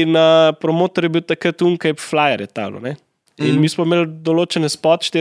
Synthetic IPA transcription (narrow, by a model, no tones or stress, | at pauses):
napɾɔmoːt̪ɔɾjɛbiwt̪akɾət̪uŋkɐpflajɐɾjɛt̪a̰wlɔ̰nɛ | inmiːsmɔmeːld̪ɔloːt͡ʃɛnɛspɔt̪ʃt̪e